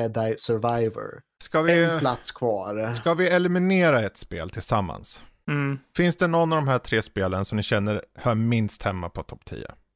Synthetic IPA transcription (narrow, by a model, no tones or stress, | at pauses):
ɛd̪ajsœɾvajvə̰ɾ | skavɪpʰlat̪skʰvɑːɾskavɪɛlɛmɪneːɾaɛt̪spḛːlt̪ʰɪlsamːa̰ns | fɪnsd̪ɛnɔnːavd̪ɔmɦæːʈ̪ʰɾeːspeːlənsɔmnɪɕɛnːəɾhœːɾmɪnst̪hɛmːa̰pʰɔt̪ʰɔpːt̪ʰḭːə̰